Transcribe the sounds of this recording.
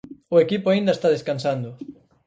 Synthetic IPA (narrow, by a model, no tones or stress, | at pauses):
ʊekipʊaĩnd̪ɐest̪að̞eskansand̪ʊ